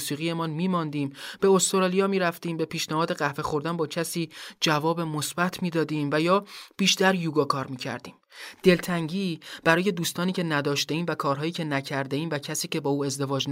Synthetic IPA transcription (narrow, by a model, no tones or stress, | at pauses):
siːɣije̞mɒnmiːmɒnd̪iːmb̥e̞ost̪oɾɑːlijɒːmiːɾæft̪iːmbe̞piːʃnæhɒːd̪e̞ɣæhve̞xo̞ɾd̪ænbɒːcʰæsiːd͡ʒævɒːbe̞mosb̥æt̪ʰmiːd̪ɒːd̪iːmvæjɒːb̥iːʃt̪æɾjuːɡɒːkʰɒːɾmiːcʰæ̰ɾd̪iːmd̪̥e̞lt̪ʰæŋɟiːb̥æɾɒːje̞d̪uːst̪ɒːniːce̞næd̪ɒːʃt̪eiːmvækʰɒːɾɦɒːjiːcʰe̞næcʰæɾd̪eiːmvæcʰæsiːce̞bɒːuːe̞zd̪e̞vɒːd͡ʒn